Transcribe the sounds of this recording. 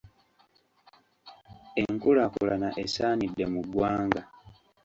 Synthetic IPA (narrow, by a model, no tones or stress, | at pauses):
eŋkulakulanaʔesaːnidːe̞muɡwaːŋɡa